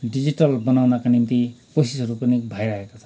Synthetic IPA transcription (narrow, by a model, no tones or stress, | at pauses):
ɖid͡ziʈʌlbʌnawnakanimt̪ikosisɦʌɾupʌnibʱajɾaɦekat͡sʰʌ̃n